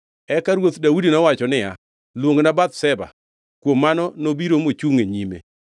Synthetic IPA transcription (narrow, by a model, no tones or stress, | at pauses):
ɛkaɾwot̪dawudinɔwat͡ʃɔnɪa | lwoŋnabat̪sɛba̰ | kwomːanɔnobiɾomot͡ʃuŋeɲimḛ